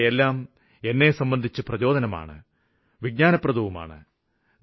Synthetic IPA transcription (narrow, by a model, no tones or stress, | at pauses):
elːaːm | e̞nːe̞sɐmbɐnd̪ʱit͡ɕːɨprɐt͡ɕo̞ːd̪ɐnɐma̰ːɳɨ̰ | ʋiɡ̚ɲaːnɐprɐd̪uʋuma̰ːɳɨ̰